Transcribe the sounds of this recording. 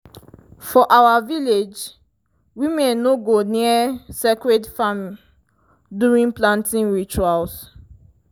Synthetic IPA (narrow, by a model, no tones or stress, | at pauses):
fɔʔawaviled͡ʒ | wimɛ̃nːoɡoniasekɹedfamĩ | duɹĩnplãntĩnɹit͡ʃuals